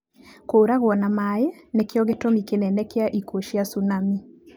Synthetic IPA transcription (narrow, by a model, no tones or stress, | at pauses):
koːɾaɣwɔnamajɛnekeɔɣetomikenɛnɛkeaʔikoʃiasunami